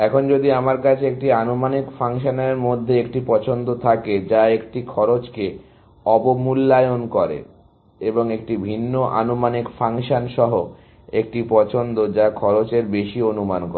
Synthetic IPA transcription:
ɛkʰond͡ʑod̪iamaɾkat͡ɕʰeek̚ʈianomanikfaŋʃaneɾmod̪ʱːeek̚ʈipɔt͡ɕʰond̪ot̪ʰaked͡ʑaekʈikʰɔɾot͡ɕke | ɔpomulːajonkɔɾḛ | eboŋek̚ʈibʱinːoʔa̰nomanikfaŋʃanʃɔɦo | ek̚ʈipɔt͡ɕʰond̪od͡ʑakʰɔɾot͡ɕeɾbeʃionumankɔɾe

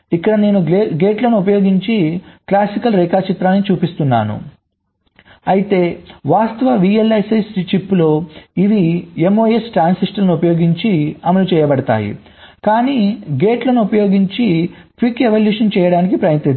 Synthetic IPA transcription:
ikːɐɽɐne̞ːnuɡe̞ːʈlɐnuupɐjo̞ːɡiɲt͡ʃiklaːsikɐlɾɛːkaːt͡ʃit̪ɾaːnːit͡ʃuːpist̪unːa̰ːnṵ | ɐjit̪e̞ːʋaːst̪ɐʋɐʋiːelːɐjsist͡ʃipːlo̞ːiʋiemoːjesʈɾaːnsiʂʈɐlnuupɐjo̞ːɡiɲt͡ʃiɐmɐlut͡ʃɛːjɐbɐɽɐt̪a̰ːjḭ | kaːniːɡe̞ːʈlɐnuupɐjo̞ːɡiɲt͡ʃiʈʋikeʋɐljuːʂɐnt͡ʃɛːjɐɽaːnikipɾɐjɐnt̪i

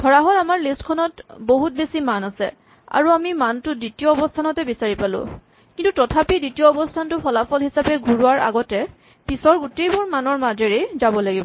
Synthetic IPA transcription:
ɡʱɔɹaɦɔɹamaɹlistkʰɔnɔtboɦut̚besimanasɛ̰ | a̰ɹuamimantʊdɹitiɔɔbɔstʰanɔtɛbisaɹipalʊ̰̃ | kintutɔtʰapiditijɔɔbɔstʰantʊpʰɔlapʰɔlɦisapɛɡʱuɹuaɹa̰ɡɔtɛ | pisɔɹɡutejbʊɹmanɔɹmadeɹejzabɔlaɡibɔ

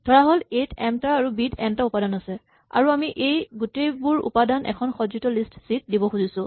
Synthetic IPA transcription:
d̥ʱɔɹaɦɔletɛmtaaɹubidɛntaupadanasɛ | a̰ɹuamiʔejɡutejbuɹṵpadanʔɛ̰kʰɔnxɔzɹitɔlistsit̚dibɔxuzisʊ̃

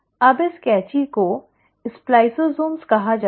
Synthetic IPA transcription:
ɐbɪskɛːt͡ʃiko | ɪsplaːɪsozoːnskɐɦad͡ʒa

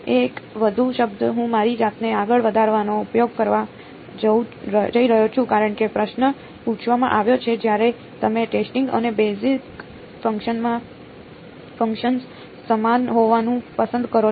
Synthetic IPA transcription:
ekʋəd̪ʱuʃəbd̪əɦũmaɾid͡ʒat̪neaɡəɭʋəd̪ʱaɾʋanoupjoɡ̚kəɾʋa | d͡ʒəd͡ʒəiɾəɦot͡ʃʰũkaɾəɳkepɾəʃnə | pũt͡ʃʰʋamã̰ʔaʋjot͡ʃʰed͡ʒjaɾe | t̪əmeʈesʈɪ̃ŋɡə̰nebesik | fə̃ŋkʃənmã | fəŋkʃəns | səmanɦoʋanũpəsə̃nd̪kəɾo

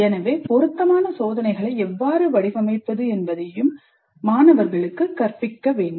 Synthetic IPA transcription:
ɛnɐʋeːpɔɾɯt̪ːɐmaːnɐsoːðɐnɐɪɣɐɭɐɪɛʋːaːɾɯʋɐɽɪʋɐmɐɪpːɐðɯɛnbɐðɐjɯmː | aːnɐʋɐɾɣɐɭɯkːɯkːɐɾpɪkːɐʋeːɳɖɯ

